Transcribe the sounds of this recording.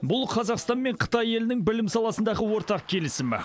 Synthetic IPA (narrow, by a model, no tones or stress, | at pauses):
bʊlˠqʰɑzɑqst̪ɑnme̞ɴqʰə̥t̪ɑje̞lɪnɪŋbɪlɪmsɑlˠɑsənd̪ɑʁəwo̞ɾt̪ɑq̚kʲʰe̞lɪsɪmɪ̰